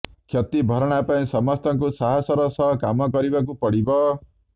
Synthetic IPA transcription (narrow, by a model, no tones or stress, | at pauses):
kʰjɔt̪ibʱɔɾɔɽ̃apaĩsɔmɔst̪ʰɔŋkusaɦɔsɔɾɔsɔɦɔkamɔkɔɾibak̬upɔɽibɔ